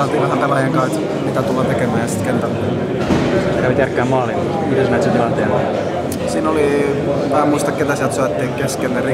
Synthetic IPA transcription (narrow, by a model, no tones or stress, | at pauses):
ɑlt̪iŋkɑsɑnt̪ɑlɑjeŋkɑt̪ | mit̪æt̪uloːt̪ekemæːjɑsi̥t̪kent̪ælulime | st̪ekæʋit̪jærkːˑeæːmmoɑːlimɑt̪mit̪æsnæˑt̪sit̪ilɑnt̪ḛːnɑ | siːnoli | mæːmuist̪ɑkket̪æsiælt̪soɑt̪ːiːŋkeskenneri